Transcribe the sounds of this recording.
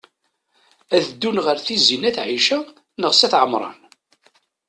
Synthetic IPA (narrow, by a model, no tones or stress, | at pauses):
æðəd̪ːunʁəɾθizinæθʕiʃæ | nəʁsæθʕəmɾˤɑ̰n